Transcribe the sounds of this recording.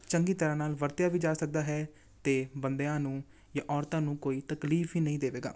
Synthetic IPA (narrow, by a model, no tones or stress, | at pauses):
t͡ʃəŋɡiːt̪əɾãːnaːlʋəɾt̪jaːʋiːd͡ʒaːsək̚d̪aːɦɛː | t̪eːbənd̪eãːnũː | jãːʔɔːɾt̪ãːnũːkoːiːt̪əkliːfɦiːnəĩːd̪eːʋeːɡa̰ː